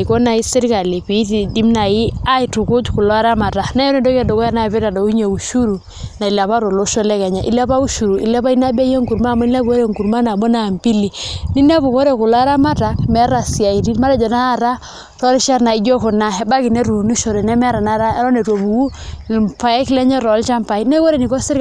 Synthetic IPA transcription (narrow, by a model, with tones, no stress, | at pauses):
i˨kɔ˦na˨i˦sɪ˦ɾka˨le˨pi˨˦ti˨di˦mna˨ji˦a˦i˨tʊ˨kʊ˦t͡ʃkʊ˨lɔ˦a˦ɾa˦ma˨ta˨na˦ɔ˦ne˦˨dɔ˦ka˨dɔ˨kɔ˦ja˦na˦˨pe˦ta˨dɔ˨u˦ɲe˨u˨ʃu˦ɾu˨ | na˨i˨la˨pa˦ɾo˨lo˦ʃɔ˦lɛ˦kɛ˨ɲa˨ʔḭ˦la˦pa˦u˦ʃu˨ɾu˨ʔḭ˨la˦pa˦i˦na˦ba˦je˦ŋku˨ɾma˦˨mɔ˦ni˦la˦bu˨ko˦ɾe˦˨ŋɡu˨ɾma˦na˨mɔ˦na˨mpi˦li˨ni˦na˦bu˨ko˦ɾe˨kʊ˨lɔ˦a˦ɾa˦ma˦ta˨kmɛ˦ɾa˨si˨a˨i˨ti˦ma˦ɾa˨d͡ʒɔ˨na˦a˦ɾa˦ | tɔ˦lʃa˦ɾna˨i˦d͡ʒɔ˦kʊ˨na˦ɛ˨˦ba˦kɪ˨ne˦ɾu˨ni˦ʃo˨ɾɛ˨nɛ˦mɛ˦ɾa˨na˦ɾa˦ɛ˦ɾɔ˦ne˨two˨bu˨u˦˨pa˨jɛ˦klɛ˦ɲɛ˦ɾɔ˨˦lt͡ʃa˦mpa˨i˦na˦kɔ˦ɾe˦˨ni˨kɔ˦sɪ˦ɾ